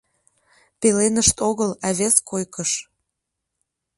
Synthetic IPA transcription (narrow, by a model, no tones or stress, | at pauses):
pelenəʃt̪oɣəlæβeskojkəʃ